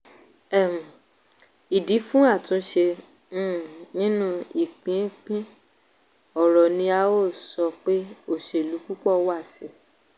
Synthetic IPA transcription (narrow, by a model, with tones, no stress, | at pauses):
ɛ˦˨m̩̃˨ | i˨di˨˦fũ˦a˦˨tũ˨˧˦ʃẽ˧˦˨ | nĩ˦nũ˦i˦˨k͡pĩ˨˦k͡pĩ˦ | ɔ˨ɾɔ˨nĩ˧a˧o˦˨sɔ˧k͡pe˦o˦˨ʃe˨lu˨˦ku˦k͡pɔ˦˨wa˦˨si˨˦